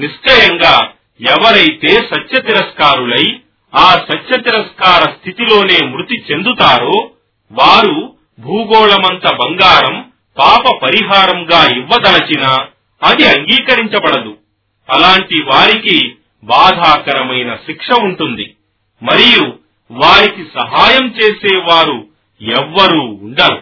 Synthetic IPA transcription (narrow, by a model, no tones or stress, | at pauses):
niʂʈɐjɐŋɡaː | ɛʋɐɾɐjt̪e̞ːsɐtːʃɐt̪iɾɐskaːɾulɐj | aːsɐtːʃɐt̪iɾɐskaːɾɐst̪ʰit̪ilo̞ːne̞ːmɾut̪it͡ʃe̞nd̪ut̪aːɾo̞ː | ʋaːɾu | bʱuːɡɔːɭɐmɐnt̪ɐbɐŋɡaːɾɐm | paːpɐpɐɾiɦaːɾɐmɡaːiʋːɐd̪ɐlɐt͡ʃinɐː | d̪iɐŋɡiːkɐɾiɲt͡ʃɐbɐɽɐd̪u | ɐlaːɳʈiʋaːɾiki | baːd̪ʱaːkɐɾɐmɐjnɐʃikʂɐuɳʈund̪i | mɐɾiju | ʋaːɾikisɐɦaːjɐmt͡ʃe̞ːseːʋaːɾu | ɛʋːɐɾuːɳɖɐɾu